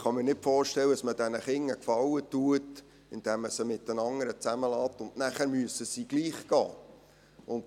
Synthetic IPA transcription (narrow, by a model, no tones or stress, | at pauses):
χɑmɪɾnɪtfɔːrʃtɛlːəəsməd̥ɛnəχɪŋːəkfɑwətuət | ɪnd̥ɛmːəsəmɪtənɑŋːəɾət͡sæməlɑːt̪ʊndnæχæɾmyəsəsiːɡ̥liːχkɑ̰ː | ʊnd